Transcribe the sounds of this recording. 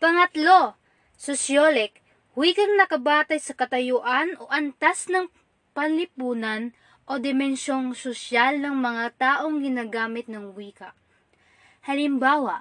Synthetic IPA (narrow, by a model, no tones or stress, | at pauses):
pɐŋɐt̪lo̞ | sosjolɛk | wiːkɐŋnɐkɐbaːt̪ɐjsɐkɐt̪ɐjʊʔanʔo̞ʔɐnt̪asnɐŋ | pɐnlɪpuːnɐn | ʔo̞d̪ɛmɛnʃo̞ŋsoʃalnɐŋmɐŋat̪aːʔo̞ŋɡɪnaːɡaːmɪt̪̚nɐŋwiːkɐʔ | hɐlɪmbaːwɐʔ